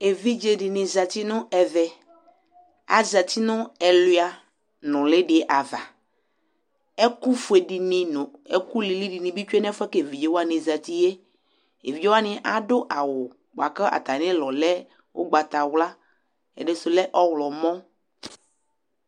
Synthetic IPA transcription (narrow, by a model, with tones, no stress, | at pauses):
e˨vi˦d͡ʒe˨ɖɪ˨nɪ̃˨za˨t̪i˦nʊ̃˦ɛ˨vɛ˨ | a̰˨za˨t̪i˦nʊ̃˦ɛ˨lʊ˨˦a˨ | nʊ̃˨lɪ˦ɖɪ˨˦˨ʔa˨va˨ | ɛ˦ku˦fʊ˨e˨ɖi˨nɪ̃˨nʊ̃˨e˦˨ku˦li˨li˦di˨nɪ̃˨bi˦t͡ʃu˦e˦nɛ˦fʊ˦ɛ˦ke˨vi˨d͡ʒe˦wo˦a˦nɪ̃˨za˨t̪i˦je˦ | ḛ˨vi˨d͡ʒe˦wa˦nɪ̃˦ʔa˦dʊ˦ʔa˨wʊ˨ | ba˨kə˦ʔa̰˨t̪a˨nɪ̃˦lɔ˨lɛ˦ | wo̰˦ɡ͡ba˨t̪a˨wla˦ | ɛ̰˨de˦sʊ˨lɛ˦ʔɔ˦wlɔ˨mɔ̃˦